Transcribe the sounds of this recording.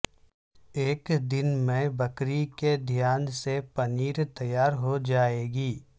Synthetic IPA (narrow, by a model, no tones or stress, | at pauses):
eːkd̪ɪnmẽbɐkɾiked̪ʱjaːnsepɐniːɾt̪ɐjaːɾɦod͡ʒaːeːɡiː